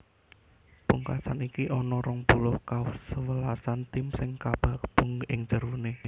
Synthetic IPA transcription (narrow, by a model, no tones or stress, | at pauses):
puŋka̰sanikiʔɔnɔɾɔŋpulʊhkaʊsəwəlasant̪ɪmsɪŋkab̥a̤ʔb̥ṳŋɪŋd͡ʒərune